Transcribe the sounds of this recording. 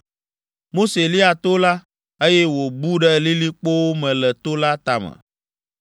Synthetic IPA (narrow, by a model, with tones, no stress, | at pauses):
mo˦se˨li˦a˨t̪o˦la˦ | e˦jɛ˦wo˨bu˦ɖɛ˦li˦li˦k͡po˦wo˦mɛ̃˨lɛ˨t̪o˦la˦t̪a˨mɛ̰̃˨